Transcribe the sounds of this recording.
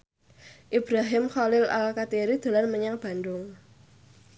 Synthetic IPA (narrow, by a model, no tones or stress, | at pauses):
ʔib̥ɾaɦɪmxɔlɪla̰lkat̪iɾid̪̥a̤lanməɲaŋb̥a̤nd̪ʊŋ